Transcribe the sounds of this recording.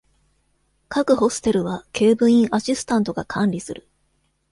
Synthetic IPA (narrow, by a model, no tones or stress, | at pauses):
kakɯ̟ho̞sɨ̥t̪e̞ɾɯ̟βakʰe̞ːbɯ̟̃ɰ̃ĩɰʔaɕisɨ̥t̪ãnt̪o̞ɡakʰãnʲɾʲisɨɾɯ̟